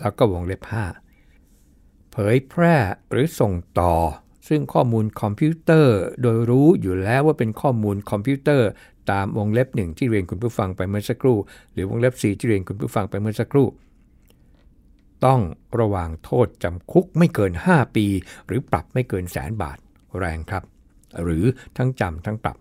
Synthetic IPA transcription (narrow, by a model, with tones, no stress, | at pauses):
lɛ˦˥wkɔː˥˩wo˧ŋle˦˥p̚haː˥˩ | pʰɤː˨˦jpʰɾɛː˥˩ɾɯː˩˦so˨˩ŋt̪ɔː˨˩ | sɯ˥˩ŋkʰɔː˥˩muː˧nkʰɔ˧mpʰiː˦˥t̪ɤː˥˩doː˧jɾuː˦˥juː˨˩lɛː˦˥waː˥˩pe˧nkʰɔː˥˩muː˧nkʰɔ˧mpʰuː˦˥t̪ɤː˥˩ | t̪aː˧mwo˧ŋle˦˥p̚nɯ˨˩ŋt̪ʰiː˥˩ɾi˧ənku˧npʰuː˥˩fa˧ŋpa˧jmɯ˥˩əsa˧kʰɾuː˥˩ɾɯː˩˦wo˧ŋle˦˥p̚siː˨˩t̪ʰiː˥˩ɾi˧nkʰu˧npʰuː˥˩fa˧ŋpa˧jmɯ˥˩əsa˧˥kʰɾuː˥˩ | t̪ɔ˥˩ŋɾa˧waː˨˩ŋt̪ʰoː˥˩t̪̚t͡ɕa˧mkʰu˦˥k̚ma˥˩jkɤː˧nhaː˥˩piː˧ɾɯː˩˦pɾa̰˨˩p̚ma˥˩jkɤː˧nsɛ̰ː˩˦nba̰ː˨˩t̪̚ | ɾɛː˧ŋkʰɾa˦˥p̚ | ɾɯː˩˦t̪ʰa˦˥ŋt͡ɕa˧mt̪ʰa˦˥ŋpɾa̰˨˩p̚